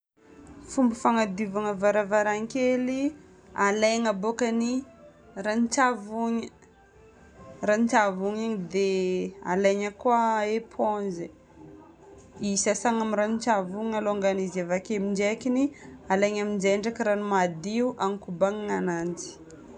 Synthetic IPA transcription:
fumbifaŋad̪ivaŋəvaɾavaɾaŋkeli | alaŋabokani | ranit͡ʃavuɲə | ranit͡ʃavuɲaɲd̪ea̰lajɲəkwaepʰonze | isasaŋaminɾanit͡ʃavuɲaloŋɡanizevakemiɳd͡ʒekinialajɲamind͡ʒeɳɖ͡ʐakiɾanumad̪iuʔanikubaŋŋanand͡zi̥

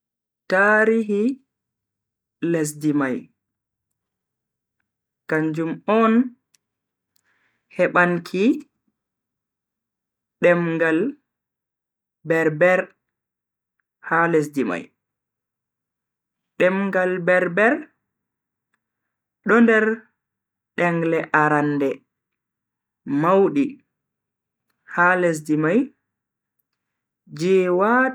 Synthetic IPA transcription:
taɾiɦi | les̬dimaj | kaɲd͡ʒumɔn | hɛɓaŋkʰi | ɗɛmŋɡal | bɛɾbɛɾ | hales̬dima̰j | ɗɛmŋɡalbɛɾbɛɾ | ɗɔndɛɾ | ɗɛŋɡlɛʔaɾandɛ | mawɗi | halɛs̬dimaj | d͡ʒɛwa

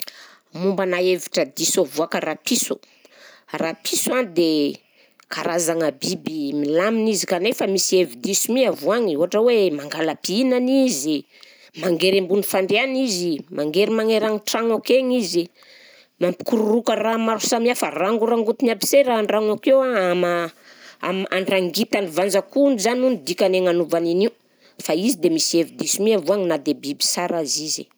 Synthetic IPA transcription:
mumbanaeviʈ͡ʂəd̪isovuakaɾapisu | rapʰisuand̪e | ka̰ɾazaŋəbibimilaminizikanefamisievid̪isumiavaŋiuɦaʈ͡ʂəwemaŋɡalapiinanizi | maŋɡeɾembunifaɳɖ͡ʐeanizimʔaŋɡeɾimaŋeɾaŋiʈ͡ʂaŋakeŋizi | mampi̥kuɾurukəramaɾu̥samafaraŋɡuɾaŋɡut̪inabi̥seɾaɳraŋakewaama | a̰ma̰ɳɖ͡ʐaŋɡit̪anivand͡zakunuzanunid̪ikaneŋanuvaniniu | faizid̪emisievid̪isimiavuaŋinad̪ebibi̥saɾazizḭ

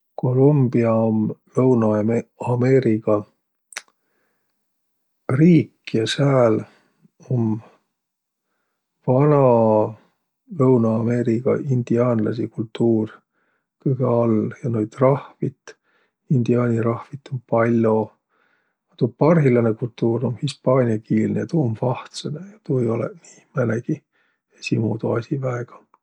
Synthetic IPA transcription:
ko̞lumbiɑomlɤwnɑɑme̞ːɾiɡ̥ɑ | riːkːjɑsæːl | om | v̥ɑnɑ | lɤwnɑːme̞ːɾikɑ̰ʔind̪̥iɑːnlɑ̰s̬ikult̪ːuːr | kɤɡ̥eɑljɑnojd̪̥rɑhvit̪ | ind̪̥iɑːnʲiɾɑhvit̪ːˑompɑlʲːo | ɑt̪upɑrɦilɑnekult̪ːuːɾo̞mhispɑːnʲiɑkiːlnejɑt̪uomfɑht̪senejɑt̪uejo̞lɛ̰niːmæneɡ̥i | esimuːd̪uɑsivæeɡ̥ɑ̥

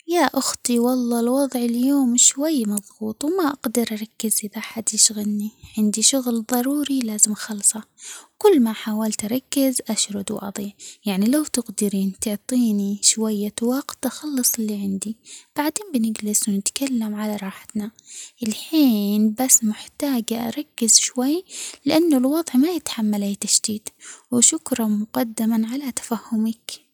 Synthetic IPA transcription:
jaʔʊxt̪ˤiwɑlˤːɑːlwɑðˤʕɪljoːmʃwajːmɑðˤɣuːt̪ˤwmaʔaɡd̪ɪɾʔɑɾˤɑkːɪzʔɪðaʔaħad̪jɪʃɣɪlniʕɪnd̪iʃʊɣlðˤɑɾˤuːɾilaːzɪmʔxɑlsˤɑwkʊlːmaħaːwalt̪ʔaɾˤɑkːɪzʔaʃɾˤʊd̪wʔɑ̰ðˤiːʕjaʕnilawt̪ɪqd̪ɪɾiːnt̪ʊʕt̪ˤiːniʃwajːat̪wɑqt̪ʔaxɑlːɨsˤɪlːiʕɪnd̪ib̥aʕd̪eːnbɪnɪɡlɪswnɪt̪kalːamʕalaɾˤɑːħɪ̥t̪naʔɪlħiːnbasːmʊħt̪aːɡaʔa̰ɾˤɑkːɪzʃwajːlɪʔanːʊlwɑðˤʕmajɪt̪ħamːalaːt̪aʃd̪iːt̪wɪʃʊkɾˤɑmʊqɑd̪ːɪmaʕalat̪ḁfahːʊmak

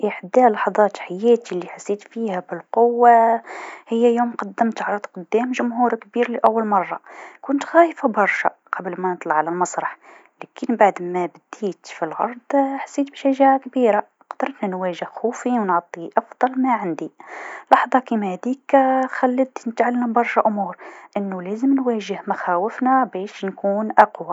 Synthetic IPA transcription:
ʔiħd̪ælɑħðˤɑt̪ħajæt̪ilːiħasːit̪fihæbəlqowːa | həjːæjumqɑd̪ːəmt̪ʕɾˤɑd̪qʊd̪ːæmʒʊmɦuɾkbiɾliʔæwːəlmɑrˤːɑkʊnt̪xæjfabɑɾˤʃæqɑbəlmænət̪ˤlɑʕalælmɑsˤɾˤɑħ | lækənbaʕd̪mæbæd̪it̪filʕɑ̰ɾˤd̪ˤħḁsːiːt̪̚biʃaʒaʕakbiːɾa | qd̪ɑɾˤt̪nanwæːʒɪhxuːfiwnʕt̪ˤːiʔɑfd̪ˤɑlmæʕand̪ilɑħðˤɑkiːmæhæd̪iːkxælːət̪nət̪ʕalːambɑɾˤʃaʔʊmuːɾʔɪnːulæːzəmnwæːʒɪhmaxæːwɪfnabæːʃnkuːnʔɑqwa

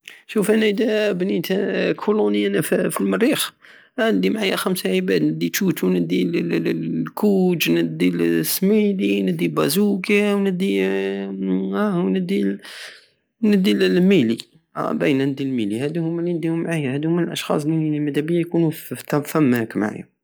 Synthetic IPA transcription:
ʃufænæəd̪æbnit̪kʰulunəænæffilmərix | ʔnəd̪imʕajæxæmsaʕibæd̪nəd̪ːit͡ʃ̪ut̪ʰunəd̪il | kʰud͡ʒnəd̪ilsmid̪inəd̪ːibæzukawnəd̪i | æwnəd̪i | nəd̪ilmili | ʔæ̰bæjnænəd̪ilmilihæd̪hʊmːælinəd̪ihʊmːʕajːahæd̪hʊmːənəlʔɑʃxɑ̰s̬ˤlimæd̪æbəjæjkunuft̪fæmːækma̰ʕa̰jæ̰

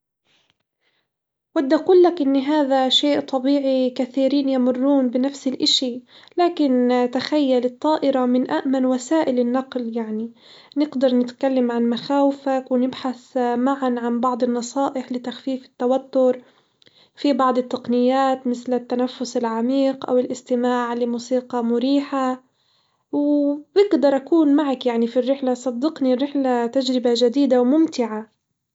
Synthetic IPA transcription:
wad̪ːʔaquːlːakʔɪnːɦaːðaʃeːʔt̪ˤɑbiːʕikaθiːɾiːnjamʊrːuːnbɪnafsɪlʔɪʃilaːkɪnt̪axajːalɪt̪ˤːɑːʔɪɾɑmɪnʔaʔmanwasaːʔɪlɪnːɑqljaʕni | nɪɡd̪ɑɾˤnɪt̪kalːamʕanmaxaːwɪfakwɪnɪbħaθmaʕanʕanbɑʕd̪ˤɪnːɑsˤɑːʔɪħlɪt̪axfiːfɪ̥t̪ːawat̪ːʊɾ | fibɑʕd̪ˤɨt̪ːɑqnɪjːaːt̪mɪθlɪt̪ːanafːʊsɪlʕamiːqʔa̰wɪlʔɪst̪ɪmaːʕlɪmuːsiːqɑmʊɾiːħa | wbɪɡd̪ɑɾˤʔakuːnmaʕakjaʕnifirːɪħlasˤɑd̪ːɪqnirːɪħlat̪ad͡ʒɾɪbaʒad̪iːd̪awmʊmt̪ɪʕa

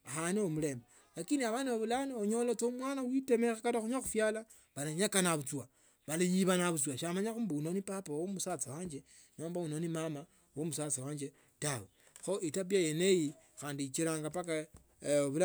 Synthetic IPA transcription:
axaniomule̞mba | lakiniaβaniβaβulanoɲo̞lot͡somwaːnawitemexekaɾaxuɲaxufjala | βalaɲakanaβut͡swa | βalijiβanaβut͡swaʃamaɲaxuːmbaunonipapawomusat͡sawaːɲd͡ʒe | ɲoːmbaunonimama | womusat͡sawaːɲd͡ʒe | tawe | xo̞ʔitap̬jajenejixaːndit͡ʃiɾaːŋɡapaka | oβula

